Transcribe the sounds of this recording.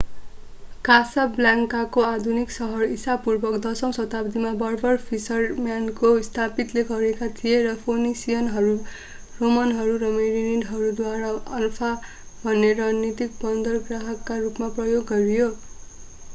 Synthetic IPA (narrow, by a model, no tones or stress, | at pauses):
kasablaŋkakoad̪ʱuniksʌɦʌrisapurbʌkd̪ʌsʌw̃sʌt̪abd̪imabʌrbʌrpʰisʌrmjankost̪ʰapit̪leɡʌɾekat̪ʰijerʌpʰonisijʌnɦʌɾu | romʌnɦʌɾurʌmeɾiniɖɦʌɾud̪waɾaʌlpʰa | bʱʌnːeɾad͡znit̪ik̚bʌnd̪ʌrɡraɦʌkːarupmaprʌjoɡːʌɾijo